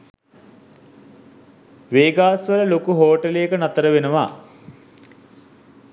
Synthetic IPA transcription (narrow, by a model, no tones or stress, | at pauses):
ʋeːɡaːsʋələlokuɦoːʈəlejekənat̪əɾəʋenəʋa